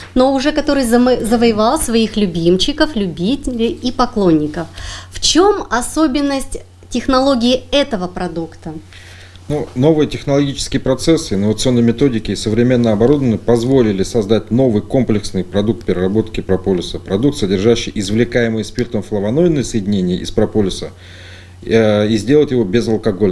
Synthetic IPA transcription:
no̞ʊʐɛkɐt̪o̞ɾɨjzəvəjɪvɑlˠsvɐixlʲʉbʲimt͡ɕːɪkəflʲʊbʲitʲɪlʲɪipɐklˠo̞nʲːɪkəfft͡ɕo̞mɐso̞bʲɪnːəsʲtʲ | tʲɪxnɐlˠo̞ɡʲɪɪɛt̪əvəpɾɐd̪ukt̪ə | nuno̞vɨjətʲɪxnəlˠɐɡʲit͡ɕɪ̥skʲɪjəpɾɐt̪sɛsːɨɪnːəvət̪sɨo̞nːəjmʲɪt̪o̞dʲɪkʲɪːsəvɾʲɪmʲe̞nːəɐbɐɾud̪əvənːɨjpɐzvo̞lʲɪlʲɪsɐzd̪atʲno̞vɨjko̞mplʲɪksnɨjpɾɐd̪uk̚t̪̚pʲɪɾʲɪrɐbo̞t̪kʲɪpɾɐpolʲɪsəpɾɐd̪ukt̪sədʲɪrʐaɕːɪjʔɪzvlʲɪkajɪmɨjspʲirt̪əmflˠəvɐnoɪnːəjsəjɪdʲɪnʲenʲɪjəʔɪspɾɐpolʲɪsə | izʲdʲe̞lˠət̪ʲjɪvo̞bʲɪzɐlˠkɐɡo̞lʲ

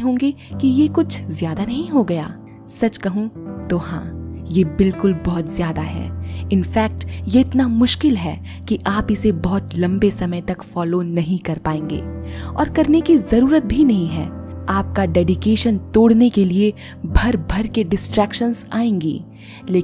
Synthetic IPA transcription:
ɦõːŋɡe | kijekʊt͡ʃʰzjaːd̪anɐɦĩɦoɡɐja̰ː | sɐt͡ʃkɐɦũt̪oːɦã̰ːjebɪlkʊlbɔɦʊt̪zjaːd̪aɦɛ̰ːɪnfɛːk̚ʈjeɪt̪namʊʃkɪlɦɛː | kiʔaːpɪsebɔɦʊt̪lɐ̃mbesɐməjt̪ɐkfɔːlonɐɦĩkɐɾpaːẽːŋɡḛːɔ̰ːɾkɐɾnekizɐɾuːɾət̪̚bʱinɐɦĩɦɛ̰ːaːp̚kaɖɛːɖɪkeːʃənt̪oːɽnekelie | bʱɐɾbʱɐɾkeɖɪsʈɾɛːkʃənzaːẽːŋɡḭː | leː

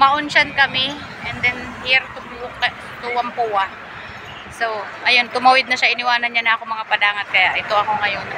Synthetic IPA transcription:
mɐʔʊnʃankɐmɪ | ʔɛnd̪ɛn | hiɾt̪ʊbuk | t̪uwɐmpuwɐ | sowʔɐjo̞nt̪ʊmɐwɪd̪̚nɐʃaɪnɪwaːnɐnɲanɐʔɐkoŋmɐŋapɐd̪aːŋɐt̪̚kɐjaʔɪt̪o̞ʔɐko̞ŋɐjon

